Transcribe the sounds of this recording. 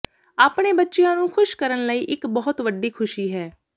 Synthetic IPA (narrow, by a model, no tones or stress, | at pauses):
aːpɽ̃eːbətːʃejãːnũːkʰʊʃkəɾənləiːʔɪkbɔːʊt̪ʋəɖiːkʰʊʃiːɦɛː